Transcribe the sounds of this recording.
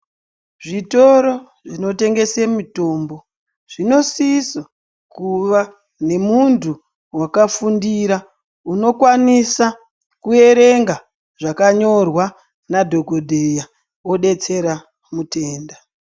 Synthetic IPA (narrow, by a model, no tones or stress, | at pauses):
ʐito̞ɾo̞ | ʐino̞te̞ŋɡe̞semito̞ːmbo̞ | ʐ̥ino̞siso | kuʋa | ne̞muntu | wakafundiɾa | uno̞kwanisa | kue̞ɾe̞ŋɡa | ʐakaɲo̞rwa | nadʱo̞ɡʱo̞dʱeja | wo̞ɗe̞t͡se̞ɾa | mute̞ːnda